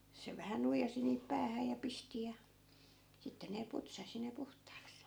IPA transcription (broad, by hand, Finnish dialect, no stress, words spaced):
se ʋæhæ nuijɑsi niːp pæːhæ jɑ pisti jɑ sitːe ne putsɑsi ne puhtˑɑːks